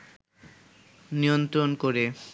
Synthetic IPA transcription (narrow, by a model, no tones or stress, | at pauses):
niont̪ɾonkoɾe